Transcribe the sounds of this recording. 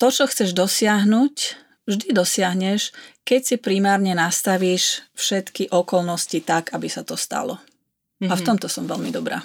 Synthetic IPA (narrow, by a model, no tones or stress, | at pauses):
t̪ɔt͡ʃɔxt͡sɛʒd̪ɔsɪaɦnuc | ʒd̪id̪ɔsɪaɦɲɛʃkɛcsipɾimaːɾɲɛnast̪aʋiːʃfʃɛt̪kiʔɔkɔlnɔscit̪aɡabisat̪ɔst̪a̰lɔ̰ | aft̪ɔmt̪ɔsɔmʋɛlmid̪ɔbɾa̰ː